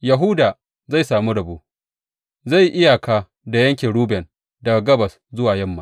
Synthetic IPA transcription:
ja˨ɦʊ˦daː˨ | za˦˨jsaː˨mu˦ɽɐ˨boː˦ | za˦˨jʔɪ˦ja˨kaː˦ | da˨jɐ˦ŋkʲeː˨ɽuː˦bɛ˨n | dɐ˨ɡa˨ɡɐ˦bɐ˨s | zʊ˦waː˨jɐ˦˨mːa˦

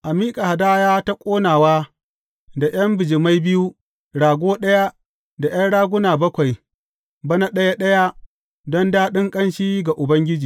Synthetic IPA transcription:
ʔa˨miː˦kʼa˨ha˨daː˦jaː˦ta˦kʷʼoː˦naː˨waː˦ | da˨j̰ɐ˦mbɪ˨d͡ʒɪ˨ma˦jbɪ˦ju˦ | ɽaː˨ɡʷoː˦ɗɐ˦ja˦ | da˨j̰ɐ˦nɽaː˦ɡʷʊ˦naː˨bɐ˦kʷa˨j | bɐ˦na˦ɗɐ˦ja˦ɗɐ˦ja˦ | dɔ˦ndaː˦ɗɪ˦ŋkʼɐ˦nʃiː˦ɡa˨ʔʊ˨bɐ˦ŋɡʲɪ˦d͡ʒiː˨

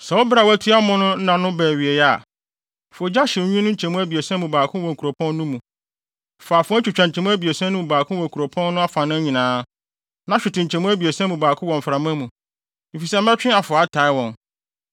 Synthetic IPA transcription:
sɛ˨wɔ˦bɾa˨wæ˦tʰɪ˦a˦mʊ̃˦nʊ̃˦n̩˦nã˨nʊ̃˦bɛː˨ɥi˨e˨jɛ˦a˨ | fo˨d͡ʑa˦ɕɪ˨˦ɲᶣũ˦nʊ̃˦t͡ɕʰɛ̃˨mũ˦æ˦bi˨e˨sɛ̃˦mũ˨baː˨kʰʊ̃˦wɔ̃˨ŋ˨kʰu˨ɾo˨pʰɔ̃˦nː˦ʊ̃˦mũ˨ | fa˨fʊ˦t͡ɕʰᶣu˨t͡ɕᶣã˨ɲ̩˨t͡ɕʰɛ̃˨mũ˦æ˦bi˨e˨sɛ̃˦nʊ̃˦ũ˨baː˨kʰʊ̃˦wɔ̃˨ŋ˨kʰu˨ɾo˨pʰɔ̃˦nː˦ʊ̃˦a˦fã˨nã˦ɲĩ˨nãː˨˦ | nã˦ɕᶣɪ˨tʰɪ̃˨ɲ̩˨t͡ɕʰɛ̃˨mũ˦æ˦bi˨e˨sɛ̃˦mũ˨baː˨kʰʊ̃˦wɔ̃˨ɱ˨fɾa˨mã˦mũ˨ | mi˨fi˨sɛ˦m̩˦ɛ̃˦t͡ɕᶣɪ̃˦a˨fʊ˨a˦tʰa˨ɪ˦wɔ̃˨n

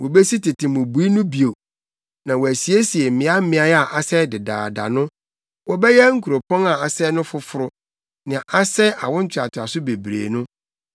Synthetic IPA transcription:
wɔ˨be˦si˦tʰɪ˨tʰɪ̃˨mʊ̃˨bu˨˦i˦nʊ̃˦bi˨o˨ | nã˨wɔ˨æ˨si˨e˦si˨e˨mɪ̃˨˦a˦m̩˦mɪ̃˦a˦ja˨ʔa˨sɛ˦dɪ˨da̰ː˨da̰˨nʊ̃˦ | wɔ˨bɛ˦jɛ˦ŋ̩˦kʰu˨ɾo˨pʰɔ̃˦na˨a˨sɛ˦nʊ̃˦fʊ˦fʊ˦ɾʊ˦ | nɪ̃˨a˨ʔa˦sɛ˦ʔa̰˨wʊ̃˦n̩˦t͡ɕʰɪ˨a˨tʰʊ˨a˨sʊ˦be˨bɾḛː˨nʊ̃˦

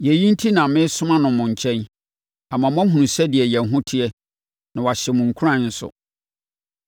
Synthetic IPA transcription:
jɛ˨jĩ˦n̩˦tʰi˦nã˨˦mɪ̃˦sʊ˦mã˦nʊ̃˨mʊ̃˨ɲ̩˨t͡ɕʰɛ̃˦n | a˨mã˨m˦ã˦ɦũ˨nũ˨sɛ˦dɪ˨ɛ˨jɛ̃˨n˨ɦʊ̃˦tʰɪ˦ɛ˦ | nã˨wa˨ɕɛ˨mʊ̃˨ŋ̩˨kʰu˦ɾã˦˨n̩˦sʊ̰˨

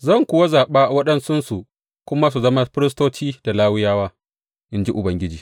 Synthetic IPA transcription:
zɐ˦˨ŋkʷʊ˨wa˦zaː˨ɓaː˦wɐ˦ɗɐ˦nsʊ˦nsu˨ | kʷʊ˦ma˦s̬u˨zɐ˦ma˦ɸɪ˦ɾɪ˦s̬toː˦t͡ʃiː˦d̥a˨laː˦wɪ˦jaː˦waː˦ | ʔɪ˦nd͡ʒi˦ʔʊ˨bɐ˦ŋɡʲɪ˦d͡ʒiː˨

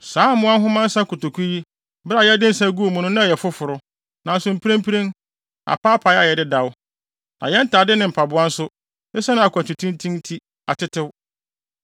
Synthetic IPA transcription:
saː˦mʊ̃˦a˦ɦʊ̃˦mã˦n̩˦sa˦kʊ˨to˨kʰu˦ji˦ | ba˨jɛ˦dɪ˦n̩˦sa˦ɡu˦o˨mũ˨nʊ̃˦nã˦a˨jɛ˨fʊ˦fʊ˨ɾʊ˦ | nã˨n˦sʊ˨m̩˨pʰi˦ɾẽ˦mpʰi˦ɾẽ˦n | a̰˨pʰaː˦pʰa˨ja˨jɛ˨dɪ˦da˨w | nã̰˨jɛ˦n̩˦tʰaː˨dɪ˦nɪ̃˨m̩˨pʰa˨bʊ˦a˦n̩˦sʊ˦ | ɪ˦sɛ˦nʊ̃˦a˨kʷa˨tʰi˨tʰĩ˦n˦tʰĩ˦n˦tʰi˦ | a˨tʰɪ˦tʰɪ˦w

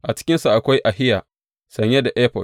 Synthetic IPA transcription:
ʔa˨t͡ʃɪ̥˦kʲɪ˦nsa˨ʔa˨kʷa˦jʔa˨hɪ˦jaː˨ | sɐ˨ɲje˦da˨ʔɛː˦ɸɔ˨l

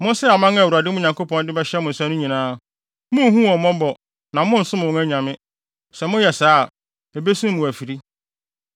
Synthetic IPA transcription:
mʊ̃˦sɛ˦a˨mã˦ŋa˦˨wu˨ɾa˨dɪ˦mʊ̃˦ɲã˨ŋkʰo˦pɔ̃˦n˦dɪ˦bɛ˦ɕɛ˦mʊ̃˨n̩˨sã˦nʊ̃˦ɲĩ˨nãː˦˨ | mʊ̃˦ɦũ˦ɔ˨mɔ̃˦bɔ˨ | nã˨mʊ̃˦n̩˨sʊ̃˦mʊ̃˨wʊ̃˦æ˦ɲã˨mɪ̃˦ | sɛ˨mʊ̃˦jɛ˨saː˦˨ | e˨be˦sũ˦mʊ̃˨æ˨fi˨ɾi˦

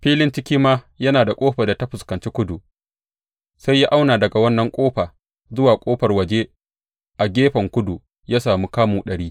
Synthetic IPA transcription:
ɸiː˦lɪ˦nt͡ʃɪ˦kʲiː˦maː˦ | jɐ˦naː˨da˨kʷʼoː˦ɸɐ˨da˨ta˦ɸʊ˨skɐ˨nt͡ʃeː˦kʷʊ˦du˨ʔ | sa˦jːa˦ʔa˦wnaː˨dɐ˨ɡa˨wɐ˦nːɐ˨ŋkʷʼoː˦ɸaː˨ | zʊ˦waː˨kʷʼoː˦ɸɐ˨rwɐ˨d͡ʒe˦ | ʔa˨ɡʲeː˦ɸɐ˨ŋkʷʊ˦du˨ | jaː˦saː˨mu˦kaː˦muː˨ɗɐ˨ɽiː˦

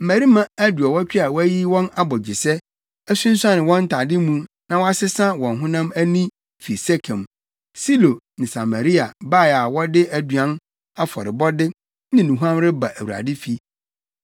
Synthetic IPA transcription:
m̩˨mæ˨ɾi˦mã˦˨æ˦du˨ɔ˨wɔ˦t͡ɕᶣi˦a˨wɔ˦æ˦ji˦wɔ̃˦na˦bɔ˨d͡ʑɪ˨sɛ˦ | æ˦sũ˦n̩˦sã˦nɪ̃˨wɔ̃˦n̩˦tʰa˨dɪ˦mũ˦ | nã˨wɔ˦a˦sɪ˦sã˦wɔ̃˨nɦʊ̃˦nã˦mæ˦nĩ˦ | fi˨sɛ˦kʰɛ̃˨m | si˦lo˨ | nɪ̃˨sa˨mã˨ɾi˦a˨ba˦˨ja˨wɔ˦dɪ˦ʔæ˨du˨ã˨˦n | a˦fɔ̰˨ɾɪ˨bɔ˦dɪ˦ | nɪ̃˦nũ˨ɦu˦ã˦mɾɪ˦ba˨ʔæ˨wu˨ɾa̰˨dɪ˦fi˦

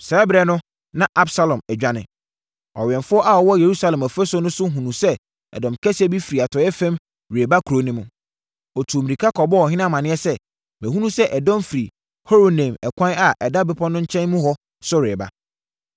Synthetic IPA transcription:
sɛ˨˦bɪɾɛ˨nʊ̃˦ | nã˦ʔa˦bsa˦lɔ̃˨mɛ˨d͡ʑᶣa˦nɪ̰̃˨ | ɔ̰˨ɥɛ̃˨nfʊ˦ɔ˦ʔa˦ɔ˨wɔ˦je˨ɾu˦sa˨lɛ̃˨mæ˨fɛ˦sɔ˦nʊ̃˦sʊ˦ɦũ˨nũ˨sɛ˦ | ɛ̰˨dɔ̃˨mkʰɛ˦sɛ˦bi˦fi˨ɾi˨a˨tʰɔ˨jɛ˦fɛ̃˦m | ɾe˨ba˦kʰu˨ɾo˦nɪ̃˦mʊ̃˨ | ɔ˨tʰu˨o˨mĩ˨ɾi˨kʰa˦kʰɔ˨bɔ˦ɔ˨ɦɪ̃˦nã˦mã˨nɪ̃˦ɛ˦sɛ˦ | mɛæ̃˨ɦũ˦nũ˦sɛ˦ʔɛ˨dɔ̃˦mfi˨ɾi˨ | ho˦ɾo˨nɛ̃˨mɛ̰˨kʷʰã˦na˨ʔɛ˨da˦bɪ˦pʰɔ˦nʊ̃˦ɲ̩˦t͡ɕʰɛ̃˦nmũ˦ɦɔ˦ | sʊ˦ɾeː˨ba̰˦

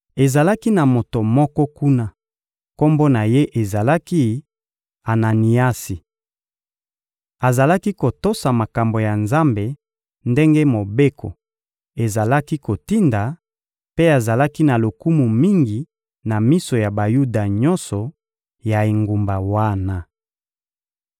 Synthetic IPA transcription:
e˨za˨la˦ki˦na˨mo˨to˨mɔ˦kɔ˦ku˦na˦ | ko˦mbo˦na˨je˦ʔe˨za˨la˦ki˦ | a˨na˨ni˨a˦si˨ | a˨za˨la˦ki˦ko˨to˦sa˨ma˨ka˨mbo˨ja˨nza˦mbe˨ | nde˦ŋɡe˦mo˨be˦kʰo˨ | e˨za˨la˦ki˦ko˨ti˦nda˨ | pe˦a˨za˨la˦ki˦na˨lo˨ku˦mu˨mi˦ŋɡi˨ | na˨mi˦so˨ja˨ba˨ju˦da˨ɲɔ˦nsɔ˨ | ja˨e˨ŋɡu˨mba˨wa˦na˨

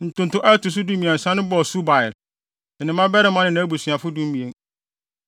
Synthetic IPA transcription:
n̩˨tʊ̃˨n̩˨tʊ̃˦ʔa˦tʊ˨s̬ʊ˦dũ˦mĩ˨ɛ̃˨n̩˨sã˦nɪ̃˦bɔ˨su˦ba˨ɪ˨l | ɪ˨nɪ̃˨˦mã˦bɛ˦ɾɪ˦mã˦nɪ̃˨nã˦æ˦bu˨sɥa˨fʊ˦dũ˦m˦mĩ˨e˨ŋ

